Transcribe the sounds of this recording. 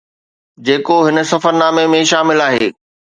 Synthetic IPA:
d͡ʑeːkoɦɪnəsɐfəɾnaːmemẽʃaːmɪlaːɦeː

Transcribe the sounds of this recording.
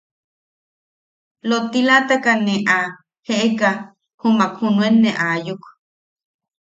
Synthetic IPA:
lot̪ilat̪akaneʔa | heʔeka | humakhunũenːeʔajukʷ

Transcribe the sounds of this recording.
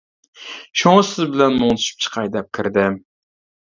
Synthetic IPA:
ʃoŋsɪzbɪlɛnmoŋt̪ʰʊ̥ʃɪ̥p̚t͡ʃʰɨ̥qʰɑjd̪ɛp̚kʲʰɪɾd̪ɪ

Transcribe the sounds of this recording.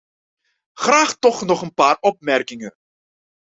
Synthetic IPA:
χraːχtɔχnɔχənpaːrɔp̚mɛrkɪŋə̰n

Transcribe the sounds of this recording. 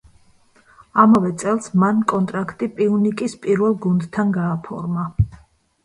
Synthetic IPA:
amavɛt̪sʼɛlˠsmankʼɔnt̪ʼɾakʰt̪ʼipʼiunikʼispʼiɾvɛlˠɡund̪t̪ʰːanɡaːpʰɔ̰ɾma

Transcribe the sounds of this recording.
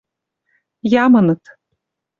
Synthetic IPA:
jamanɯt̪

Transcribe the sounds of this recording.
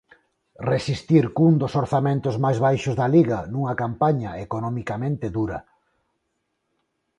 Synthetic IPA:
resist̪iɾkuŋd̪osoɾθamẽnt̪ʊzmajzβ̞ajʃʊzðɐliɣɐnuŋɐkampaɲaekonɔmikamẽnt̪eðuɾɐ̰

